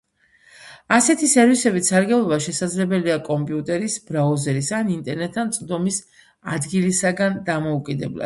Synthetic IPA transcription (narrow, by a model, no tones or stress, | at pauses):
asɛt̪ʰisɛɾvisɛbit̪saɾɡɛblˠɔbaʃɛsad̪zlɛbɛliakʼɔmpʼiut̪ʼɛɾisbɾauzɛɾisanint̪ʼɛɾnɛt̪ʰːant̪sʼd̪ɔmis | ad̪ɡilisaɡand̪amɔukʼid̪ɛbla̰d̪̥